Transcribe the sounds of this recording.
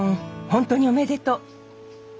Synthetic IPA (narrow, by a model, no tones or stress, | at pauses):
hõnt̪oɲ̟iomed̪et̪o